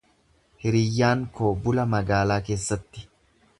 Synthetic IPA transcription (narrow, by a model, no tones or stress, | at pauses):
hɪɾɪjːaːŋkoːbʊlɐmɐɡaːlaːke̞ːsːɐt̪ːɪ̥